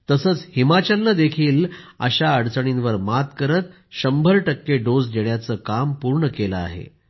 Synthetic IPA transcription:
t̪əsət͡shimat͡ɕalnːad̪ekʰiːlə̰ɕaəɽt͡səɽ̃inʋəɾmat̪kəɾət̪ | ɕəmbʱəɾʈəkːeɖod͡zd͡ʑeɽjat͡səːkampuɾɳəkeləa̰ɦḛ

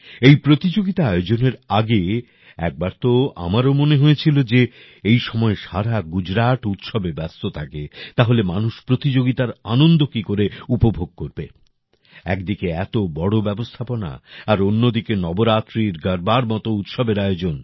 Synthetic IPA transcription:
ejpɾot̪id͡ʑoɡit̪aaeod͡ʑoneɾaɡe | ɛ̰k̚baɾt̪oa̰maɾomoneɦojet͡ɕʰilod͡ʑe | ejʃɔmɔeʃaɾaɡud͡ʑɾaʈut̪ʃɔbebɛst̪ot̪ʰaket̪aɦolemanuʃpɾot̪id͡ʑoɡit̪aɾanond̪okikoɾeupobʱoɡ̚koɾbe | ɛkd̪ikeɛt̪obɔɽobɛbost̪ʰapona̰aɾonːod̪ikenɔboɾat̪ːɾiɾɡəɾbaɾmɔt̪out̪ʃɔbeɾaeod͡ʑon

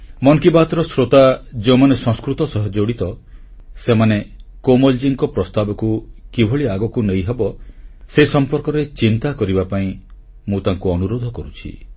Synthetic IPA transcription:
mɔŋkibat̪ɾɔsɾot̪ad͡ʒẽmanesɔ̃ŋskɾut̪ɔsɔɦɔd͡ʒoɽit̪ɔ | semanekomɔld͡ʒiŋkɔpɾɔst̪abɔkukibʱoɭiaɡɔkunejɦebɔseisɔmpɔɾkɔɾet͡ʃint̪akɔɾibapaĩ | mũt̪aŋkuɔnuɾod̪ʱɔkɔɾut͡ʃʰḭ

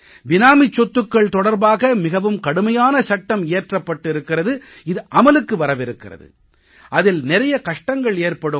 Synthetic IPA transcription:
ʋɪnaːmɪt͡ʃːɔt̪ːɯkːɐɭt̪ɔɽɐɾbaːɣɐmɪɣɐʋɯmkɐɽɯmɐjaːnɐsɐʈːɐmeːʈrɐpːɐʈːɪɾɯkːɪrɐðɯ | ɪðɯʔɐmɐlɯkːɯʋɐɾɐʋɪɾɯkːɪrɐ̰ðɯ̰ | ʔɐðɪlnɪɾɐjɐkɐʂʈɐŋɡɐɭeːrpɐɽɯ

